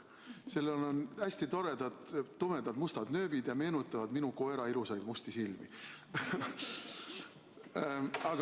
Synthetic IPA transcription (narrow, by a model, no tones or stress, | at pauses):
selːolonæsʲt̪it̪o̞ɾe̞d̪̥ɑd̪̥ːome̞d̪ɑd̪must̪ɑd̪nø̞ːbid̪̥jɑme̞ːnut̪ːˑɑvɑd̪minuko̞e̞ɾɑilusɑjd̪must̪isilmḭ | ɑɡ